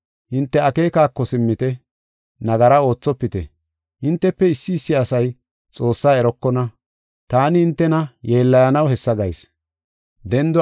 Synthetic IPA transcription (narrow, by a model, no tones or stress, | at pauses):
hɪnt̪ːɛɐke̞ːkaːkːɔsɪmːɪt̪ɛ | nɐɡɐɾɐo̞ːt͡sːɔpːɪt̪ɛ | hɪnt̪ːɛpːɛɪsːɪːsːɪɐsɐj | t͡sʼo̞ːsːaːɛɾɔkːɔnɐ | t̪aːnɪhɪnt̪ːɛnɐje̞ːlːɐjɐnɐwhɛsːɐɡɐjs | d̪ɛnd̪ɔ